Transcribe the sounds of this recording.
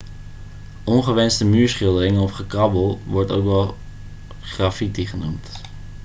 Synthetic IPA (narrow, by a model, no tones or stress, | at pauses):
ʔɔnχəʋɛnstəmyːɹsχɪlˠdərɪŋəɔfχəkrɑbəlˠʋɔɹto̰wkʋɛlˠ | χrafitiχənumt